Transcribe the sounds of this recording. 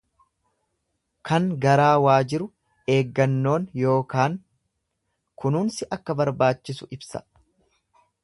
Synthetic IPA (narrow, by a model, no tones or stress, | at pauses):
kɐŋɡɐɾaːwaːd͡ʒɪɾʊ | e̞ːɡːɐnːo̞ːnjo̞ːkaːŋ | kʊnʊːnsɪʔɐkːɐbɐɾbaːt͡ʃːɪsʊʔɪbsɐ̥̰